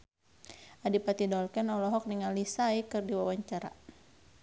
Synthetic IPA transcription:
adipat̪idɔlkɛnɔlɔɦɔk̚diŋanlisajkɨrdiwawaɲt͡ʃaɾa̰

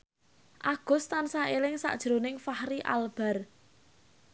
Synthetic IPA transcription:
ʔaɡ̥ʊ̤st̪ansaelɪŋsa̰ʔd̥ʒ̥ɾonɪŋfahɾiʔa̰lb̥ɛ̤r

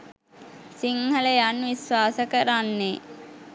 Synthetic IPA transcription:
siŋhɐləjanʋisʋaːsəkəɾanːe

